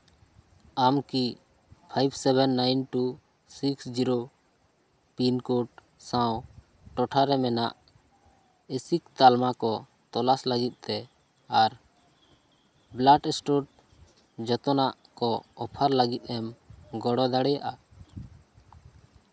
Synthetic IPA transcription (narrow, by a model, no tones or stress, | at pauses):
amki | pʰajbsɛbɛnːajnʈu | siksd͡ʒiɾo | pinkuʈ̚ | sãw | ʈɔʈʰaɾɛmɛna̰ʔ | esikt̪almakɔ | t̪ɔlaslaɡit̪̚ˀt̪ɛ | aɾ | blaʈɛsʈuʈ̚ | d͡ʒɔt̪ɔnaʔkɔɔpʰaɾlaɡit̪̚ˀɛmɡɔɽɔd̪aɽɛjaʔa